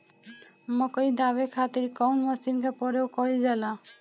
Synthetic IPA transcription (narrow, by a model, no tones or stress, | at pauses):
mɔkɔjd̪abekʰat̪iɾkɔwnmɔsinkapɔɾeokɔɾid͡ʒala